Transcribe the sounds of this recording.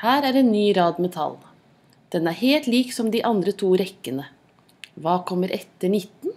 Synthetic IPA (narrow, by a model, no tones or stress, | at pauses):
hæːɾæɾɛnːyːɾɑːd̪mɛt̪ʰɑ̰lː | d̪̥ɛnæɾheːlt̪liːksɔmd̪iʔɑnd̪ɾət̪ʰuːɾɛkːənə | ʋɑːkʰɔmːəɾʔɛt̪ːəɳɪt̪ːn̩